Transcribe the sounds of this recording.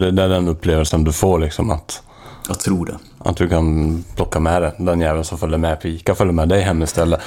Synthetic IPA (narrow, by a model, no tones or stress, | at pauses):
d̪ɛd̪ɛæɖɛnɵpːleːʋəlsənd̪ɵfoːɭɪksɔma̰t̪ | ɑt̪ʰɾuːɖɛ̰ | ʔa̰t̪̚d̪ɵkʰanpʰlɔkːamɛd̪ɛd̪ɛnjæːvənsɔmfœlːəɾmɛpʰiːkʰafœlːəɾmɛd̪ɛɪɦɛmːəst̪ʰɛlːə